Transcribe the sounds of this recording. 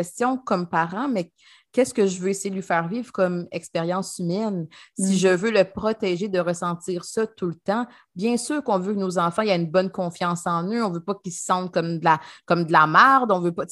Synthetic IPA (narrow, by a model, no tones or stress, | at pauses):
ɛst͡sjɔ̃kɔmpaʁɑ̃mɛ | kʲɛskəʒəvøesejed̪əlɥifɛːʁviːvʁkɔmɛkspeʁjɑ̃symɛnsiʒəvøləpχɔt̪ɛʒed̪əʁəsɑ̃t͡s̪iːʁsɔt̪ult̪ɑ̃ | bjɛ̃syːʁkɔ̃vøknozɑ̃fɑ̃iaynbɔnkɔ̃fjɑ̃sɑ̃nøɔ̃vøpɔkʲilsɑ̃t̪̚kɔmd̪əlakɔmd̪əlamaʁd̪ɔ̃vøpɔ